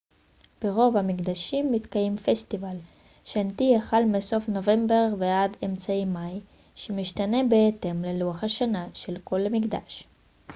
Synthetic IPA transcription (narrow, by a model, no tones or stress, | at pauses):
b̥eʁo̞vamikd̪aʃimːit̪kajemfest̪ival | ʃant̪ijaχalmeso̞fno̞ve̞mbe̞ʁveademt͡saimaj | ʃemiʃt̪ane̞beet̪e̞mleluaχhaʃanaʃelko̞lamikd̪a̰ʃ